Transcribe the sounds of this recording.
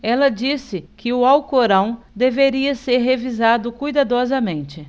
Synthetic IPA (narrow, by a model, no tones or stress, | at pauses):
ɛlɐd͡ʒisɪkɪʊawkoɾɐ̃w̃ | d̪eveɾiɐseɾɦevizad̪ʊkujd̪ad̪ɔzɐmẽnt͡ʃɪ